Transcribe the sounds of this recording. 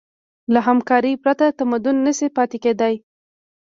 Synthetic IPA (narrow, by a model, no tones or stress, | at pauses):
laɦamkɑɾipɾat̪at̪amad̪ʊnːəsipɑt̪eked̪aj